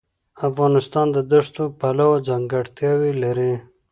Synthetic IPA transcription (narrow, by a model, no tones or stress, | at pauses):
afɣɑnɪst̪ɑnd̪əd̪əʂt̪opalawod͡zaŋɡaɽt̪jɑwilaɾi